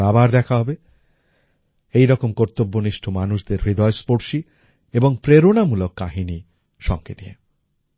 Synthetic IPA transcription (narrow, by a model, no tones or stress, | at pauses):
abaɾd̪ɛkʰaɦɔbe | ejɾɔkomkoɾt̪obːoniʃʈʰomanuʃd̪eɾbid̪ɔespoɾʃi | eboŋpɾeɾonamulokːa̰ɦini | ʃɔ̰ŋked̪iḛ